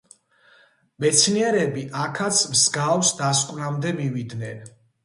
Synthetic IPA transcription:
mɛt̪sʰniɛɾɛbiʔakʰat̪sʰmsɡafsd̪askʼwnamd̪ɛmivid̪nɛn

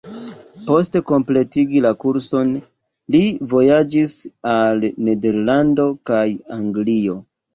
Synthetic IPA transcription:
po̞ste̞ko̞mple̞tiɡilakuɾso̞n | livo̞jad͡ʒisalne̞de̞ɾlando̞kajaŋɡlio̞

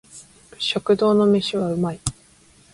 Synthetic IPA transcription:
ɕo̞kɯ̟d̪o̞ːno̞me̞ɕiβaɯ̟mai

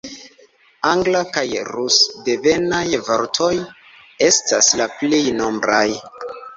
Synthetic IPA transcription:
aŋɡlakajɾusde̞ve̞najvoɾtʰo̞j | e̞staslaplejno̞mbɾaj

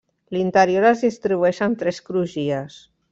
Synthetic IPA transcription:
lint̪əɾjoɾazðist̪ɾiβuɛʃant̪ɾɛskɾuʒias

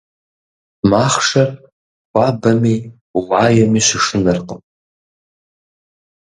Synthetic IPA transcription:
maχʂar | wʷabamij | wʕajamiʃʷɪʂɨnarqʼəm

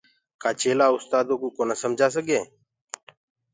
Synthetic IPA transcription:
kʰaːt͡ʃeːlaːʊst̪aːd̪oːkuːkoːnəsəmd͡ʒʱaːs̬əɡeː

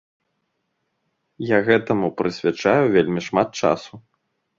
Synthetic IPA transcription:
jaɣɛt̪ɐmupɾɨsʲvʲat͡ʂajuvʲelʲmʲiʂmat̪̚t͡ʂa̰su

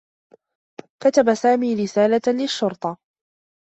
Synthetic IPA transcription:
kat̪abasaːmiːɾɪsaːlalɪʃːʊɾt̪ˤɑ

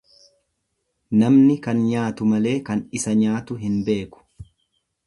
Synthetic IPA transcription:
nɐmnɪkɐnɲaːt̪ʊmɐle̞ːkɐnɪsɐɲaːt̪ʊɦɪnbe̞ːkʊ̥

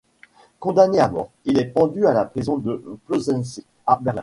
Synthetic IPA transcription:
kɔ̃d̪aneamɔ̰ʁ | ilɛpɑ̃d̪yalapχizɔ̃d̪əplozɛ̃nsi | abɛʁlɛ̃

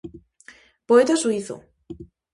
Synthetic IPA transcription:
poet̪asuiθo̰

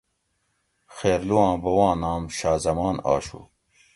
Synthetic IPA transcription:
xeːɾluwãːbɐwãːnaːmɕaːzɐmaːna̰ːɕṵ

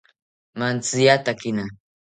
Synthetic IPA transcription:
mant͡sɪjat̪akɪna

